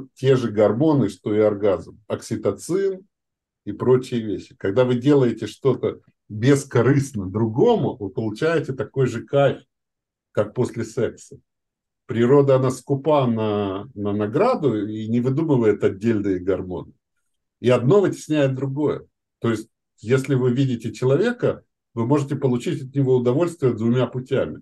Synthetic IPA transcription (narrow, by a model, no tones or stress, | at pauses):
tʲe̞ʐɨɡɐrmo̞nɨʂt̪o̞ɪɐrɡazmɐksʲɪt̪ɐt̪sɨn | ipɾo̞t͡ɕɪjəvʲeɕːɪ̥kɐɡd̪avɨdʲe̞lˠəjɪtʲɪʂt̪o̞t̪ə | bʲɪskɐɾɨsnəd̪ɾʊɡo̞mʊvɨpəlˠʊt͡ɕæjɪt̪ʲɪt̪ɐko̞jʐɨkafʲ | kak̚po̞sʲlʲɪsɛksə | pɾʲɪɾo̞d̪əɐnaskʊpanənənɐɡɾad̪ʊinʲɪvɨd̪umɨvəjɪt̪ɐdʲːelʲnɨjɪɡɐrmo̞̰nɨ | iɐd̪no̞vɨtʲɪ̥sʲnʲæjɪt̪̚d̪ɾʊɡo̞jə̰ | t̪o̞jɪsʲtʲ | jesʲlʲɪvɨvʲidʲɪtʲɪt͡ɕɪlˠɐvʲe̞kə | vɨmo̞ʐɨtʲɪpəlˠʊt͡ɕitʲɐt̪nʲɪvo̞ʊd̪ɐvo̞lʲst̪vʲɪjəd̪vʊmʲapʊtʲæmʲɪ